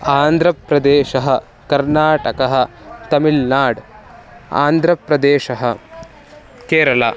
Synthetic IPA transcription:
aːnd̪ʱɾɐpɾɐd̪eːʃɐɦɐ̆ | kɐɾnaːʈɐkɐɦɐ̆ | t̪ɐmilnaːɽ | a̰ːnd̪ʱɾɐpɾɐd̪eːʃɐɦɐ̰̆ | keːɾɐla̰ː

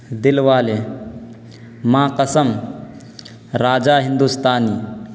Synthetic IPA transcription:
d̪ilʋaːle | mãːqɐsɐm | ɾaːd͡ʒaːɦind̪ust̪aːniː

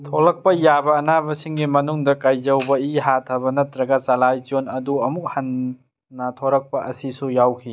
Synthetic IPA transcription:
tʰolɐk̚pɐjabɐːnabɐsiŋɡimɐnuŋdɐkajd͡ʒɐwbɐiɦatʰɐbɐnɐtɾɐɡɐsalajt͡ʃonɐduɐmuk̚hɐnː | ɐtʰoɾɐk̚pɐʔɐsisujawkʰi

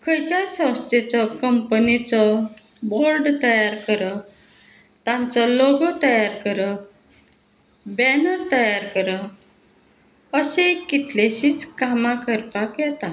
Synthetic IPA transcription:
kʰəjt͡ɕasə̃w̃st̪ʰet͡sɔkəmpənit͡sɔ | booɾɖt̪əjaɾkəɾə | t̪ãnt͡sɔlɔɡɔt̪əjaɾkəɾə | bɛnəɾt̪əjaɾkəɾə | əɕekit̪leɕiːt͡skamakəɾpakjɛt̪a

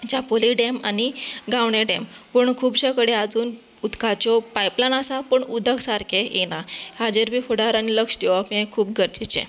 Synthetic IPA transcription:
t͡ɕapoliɖema̰niɡaʋɳeɖempuɳkʰuːbɕəkəɽead͡zuːn | ut̪kat͡ɕɔpajplanasapəɳud̪ʱəɡsaɾkeenahad͡ʑəɾbʱiːfoɽaɾaniləkʂd̪iʋapiẽkʰuːp̚ɡʱəɾt͡ɕit͡ɕḛ̃

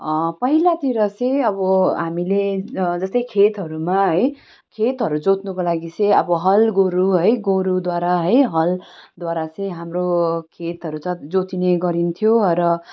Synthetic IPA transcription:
pʌɦilat̪iɾʌt͡sʌj̃ʌbʌɦamiled͡zʌst̪ʌjkʰet̪ɦʌɾumaɦʌj | kʰet̪ɦʌɾud͡zot̪nʌkolaɡit͡sʌj̃ʌbʌɦʌlɡoɾuɦʌjɡoɾud̪waɾaɦʌjɦʌld̪waɾat͡sʌj̃ɦamrokʰet̪ɦʌɾut͡sʌd͡zot̪ineɡʌɾint̪ʰjoɾʌ

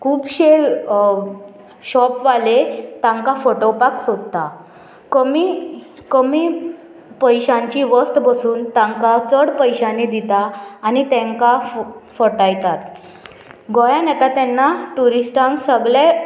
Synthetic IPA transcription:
kʰuːbɕe | ɕɔpʋalet̪ãŋkafoʈopaksod̪t̪a | kəmi | kəmi | pəjɕãɲt͡ɕiʋəst̪bəsuːnt̪ãŋkat͡səɽpəjɕaned̪it̪aːnit̪ɛ̃ŋkafəʈajt̪at̪ | ɡɔjanɛt̪at̪ɛnːaʈuɾisʈãŋksəɡɭe

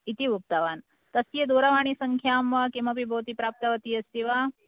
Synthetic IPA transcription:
it̪iʋuk̚t̪aʋaːn | t̪ɐsjed̪oːɾɐʋaːɳ̃isɐŋkʰjaːmʋɐkiemʋɐpibʱɐɦut̪ipɾaːp̚t̪ɐʋɐt̪iɐst̪iʋa

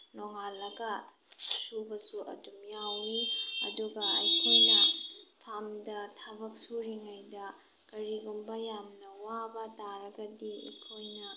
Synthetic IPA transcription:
noŋalːɐɡɐ | subɐsuʔɐ̰dumjawːiɐ̰duɡɐɐ̰jkʰojnɐpʰamdɐtʰabɐk̚suɾiŋajdɐ | kɐɾiɡumbɐjamnɐwabɐtaɾɐɡɐdiḭkʰojnɐ

